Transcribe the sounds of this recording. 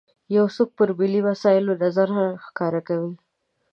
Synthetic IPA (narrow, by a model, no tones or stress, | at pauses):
jawsuk̚pəɾbiliwasɑɪlod̪azaɾhamxkɑɾakawi